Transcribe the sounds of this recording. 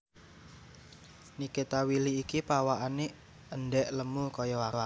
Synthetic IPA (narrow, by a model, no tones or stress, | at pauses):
niket̪awiliːkipawaʔane | ənɖɛʔləmukɔjɔwaa